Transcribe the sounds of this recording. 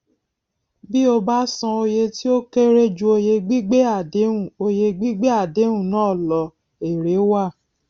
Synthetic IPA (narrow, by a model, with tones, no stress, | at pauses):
bi˦o˧ba˦sã˧o˧je˧ti˦o˦ke˦ɾe˦d͡ʒu˧o˧je˧ɡ͡bi˦ɡ͡be˦a˦˨de˨˦ũ˦˨o˧je˧ɡ͡bi˦ɡ͡be˦a˦˨de˨˦ɾũ˦˨nãː˨˦˨lɔ˨ | e˨ɾe˨˦wa˦˨